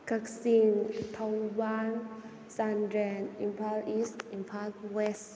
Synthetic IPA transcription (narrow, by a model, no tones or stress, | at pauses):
kʰək̚siŋt̪ʰawban | sandɾɛnimpʰalistimpʰalwɛs